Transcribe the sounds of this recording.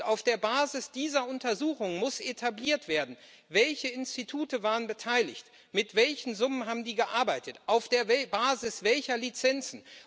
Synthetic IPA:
aʊfd̥eːɐbaːzɪsd̥iːzɐʊntɐzuːxʊŋəmʊsʔetʰabliːɐtv̥eːɐdn̩ | vɛlçəɪnstitʰuːtəvaːʁənbətʰaɪlɪçt | mɪtv̥ɛlçn̩zʊmənɦaːbm̩diːɡəʔaɐbaɪtətʔaʊfd̥eːɐbaːzɪsv̥ɛlçɐlit͡sɛnt͡sn̩

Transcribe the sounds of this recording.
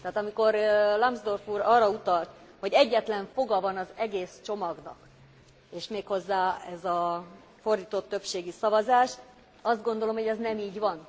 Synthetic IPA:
t̪ɛɦaːt̪ɒmiko̞ɾlɒmzd̪o̞rfuːɾɒːrːɒut̪ɒlt̪ | ho̞ɟɛɟːɛt̪lɛɱfo̞ɡɒvɒnɒzɛɡeːst͡ʃo̞mɒɡnɒ̰k | eːʃmeːkho̞zːaːɛzɒ | fo̞rd̪iːt̪o̞t̪ːøpʃeːɡisɒvɒzaːʃ | ɒzd̪ɡo̞nd̪o̞lo̞mho̞ɟɛznɛmiːɟvɒn

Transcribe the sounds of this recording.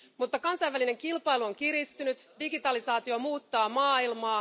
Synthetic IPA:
mut̪ːɑkɑnsɑjʋæline̞ŋkilpɑjluo̞ŋkiɾist̪ynyt̪diɡit̪ɑlisɑːt̪iomuːt̪ːɑːmɑːilmɑː

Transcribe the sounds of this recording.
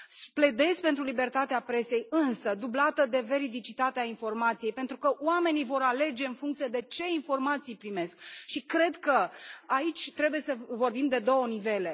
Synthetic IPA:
sple̞d̪e̞spe̞nt̪ɾulibe̞rt̪at̪eapɾe̞se̞jɨnsəd̪ublat̪əd̪e̞ve̞ɾid̪it͡ʃit̪at̪eainfo̞rmat̪sije̞jpe̞nt̪ɾukəoame̞nivo̞ɾale̞d͡ʒe̞ɨnfuŋkt̪sijed̪e̞t͡ʃe̞info̞rmat̪sijpɾime̞skʃikɾe̞d̪kəait͡ʃʲt̪ɾe̞buje̞səvo̞rbimd̪e̞d̪o̞wənive̞le̞

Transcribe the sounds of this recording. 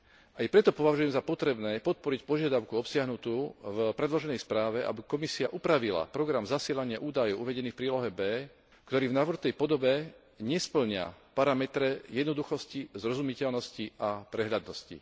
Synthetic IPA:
ʔajpɾɛt̪ɔpɔʋaʒujɛmzapɔt̪ɾɛbnɛːpɔt̪̚pɔɾicpɔʒɪad̪aʊkuɔpsɪaɦnut̪uːvpɾɛd̪lɔʒɛnɛjspɾaːʋɛʔa̰bikɔmisiaʔupɾaʋila̰pɾɔɡɾamzasɪɛʎaɲɪaʔuːd̪ajɔʊʔuʋɛɟɛniːfpɾiːlɔɦɛbɛː | kt̪ɔɾiːvnaʋr̩t̪ɛjpɔd̪ɔbɛ | ɲɛspl̩ɲɪa̰paɾamɛt̪ɾɛjɛd̪nɔd̪uxɔscizɾɔzumicɛlnɔsciʔapɾɛɦʎad̪nɔscḭ

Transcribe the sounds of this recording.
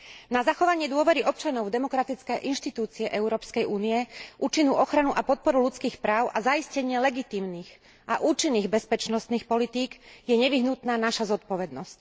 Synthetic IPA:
nazaxɔʋaɲɪɛd̪ʊɔʋɛɾiʔɔp̚t͡ʃanɔʊvd̪ɛmɔkɾat̪it͡skɛjʔinʃt̪it̪uːt͡siɛʔɛʊɾɔːpskɛjuːniɛʔuːt͡ʃinuːʔɔxɾanuʔapɔt̪̚pɔɾulut͡skiːxpɾaːʊʔazaiscɛɲɪɛlɛɡit̪iːmniːɣ | ʔaʔuːt͡ʃinːiːɣbɛspɛt͡ʃnɔst̪niːxpɔlit̪iːɡjɛɲɛʋiɦnut̪naːnaʃazɔt̪̚pɔʋɛd̪nɔsc

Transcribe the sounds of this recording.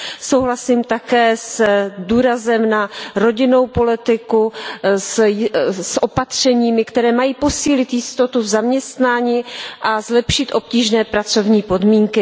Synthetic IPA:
so̞wɦlasimt̪akɛːsduːɾazɛmnaɾo̞ɟɪno̞wpo̞lɪt̪ɪkus | sʔo̞pat̪r̝̥ɛɲiːmɪkt̪ɛɾɛːmajiːpo̞siːlɪt̪jɪst̪o̞t̪uvzamɲɛst̪naːɲiːʔazlɛpʃɪt̪ʔo̞pciːʒnɛːpɾat͡so̞vɲiːpo̞dmiːŋkɪ

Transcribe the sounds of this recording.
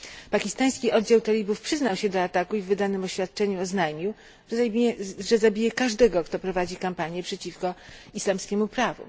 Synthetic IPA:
pakʲist̪aj̃skʲiʔɔd̪d͡ʑawt̪alʲibufpʂɘznawɕɛd̪ɔat̪akuivːɘd̪anɘmɔɕfʲjat̪̚t͡ʂɛɲuɔznajmʲiw | ʐɛzabʲijɛkaʐd̪ɛɡɔkt̪ɔpɾɔvad͡ʑikampaɲjɛpʂɛt͡ɕifkɔislamskʲɛmupɾavṵ

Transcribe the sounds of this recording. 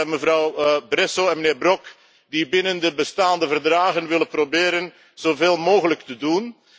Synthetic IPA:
məvɾɑwbrɛsoɛnməneːrbrɔk | dibɪnəndəbəstaːndəvərdraːɣənʋɪləprobeːɾən | z̥oveːlˠmoːɣələktədun

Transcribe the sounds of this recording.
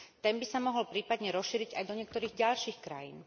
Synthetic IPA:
t̪ɛnbisamɔɦɔlpɾiːpad̪ɲɛɾɔsʃiːɾiɟajd̪ɔɲɪɛk̚t̪ɔɾiːɣɟaʎʃiːxkɾa̰jḭːn

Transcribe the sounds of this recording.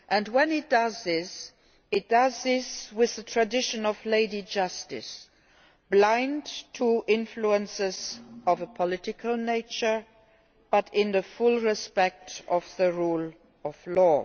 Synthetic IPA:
ʔɨ̃nwə̃nɪt̚d̥ʌzðɪs | ɨt̚d̥ʌzðɪswɪððətʰɹ̥ɨdɪʃɨ̃nʌvleɪɾid͡ʒʌstɪs | b̥lãɪ̃ntʰəʔɪ̃nfluə̃nsɪzʌvəpʰəlɪɾɨkʰəlˠneɪt͡ʃə˞ | b̥ʌɾɪ̃nðɨfʊlˠɹɪspɛk̚tʌvðəɹul | ʌv̥lɔ

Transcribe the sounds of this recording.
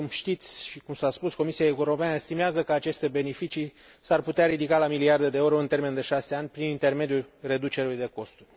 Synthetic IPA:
umʃt̪it̪sʲʃikumsaspusko̞misiae̞uɾo̞peanəest̪imeazəkəat͡ʃe̞st̪e̞be̞ne̞fit͡ʃi | sarput̪eaɾid̪ikalamiliard̪ed̪e̞oɾo̞ɨnt̪e̞rme̞nd̪e̞ʃase̞anʲpɾinint̪e̞rme̞d̪julre̞d̪ut͡ʃe̞ɾelujd̪e̞ko̞st̪urʲ

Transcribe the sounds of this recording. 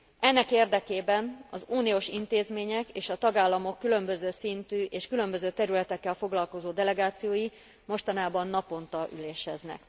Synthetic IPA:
ɛnːɛkeːrd̪ɛkeːbɛnɒzuːnioːʃint̪eːzmeːɲɛkeːʃɒt̪ɒɡaːlːɒmo̞kːylø̞mbøzøːsint̪yːʔeːʃkylø̞mbøzøːt̪ɛɾylɛt̪ɛkːɛlfo̞ɡlɒlko̞zoːd̪ɛlɛɡaːt̪sijoːji | mo̞ʃt̪ɒnaːbɒnːɒpo̞nt̪ɒʔyleːʃhɛznɛ̰k

